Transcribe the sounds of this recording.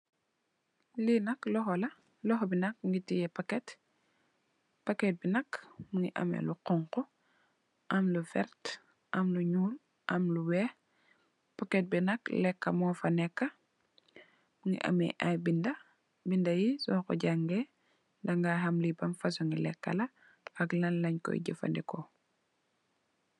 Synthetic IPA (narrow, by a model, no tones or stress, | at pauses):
linɐklɔxɔlɐ | lɔxɔbinɐk̚ŋɡitijɛpakɛt | pɐkɛt̚binɐkmuŋiʔɐ̰mɛ̰luqɔŋqɔ | ʔɐmlufɛ̰ɾt | ʔɐmluɲuːl | ʔɐmluwɛːh | pɐkːɛt̚binɐklɛkːɐmɔːfɐnɛkːɐ | muŋḭʔɐ̰mɛ̰ʔajbindɐ | bindɐjisɔːkɔ̰ɟaŋɡɛ | dɐŋɡaɦɐmlibɐmfɐs̬uŋilɛkːɐ̰lɐ | ɐklɐnlɐɲkɔ̰jɟəfɐ̰ndɛkɔ